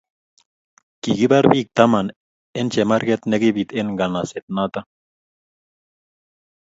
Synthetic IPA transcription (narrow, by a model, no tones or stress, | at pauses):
kiɡiβaɾbik̚t̪aman | ent͡ʃemaɾɡet̪neɡiβit̪enɡanaset̪̚nat̪a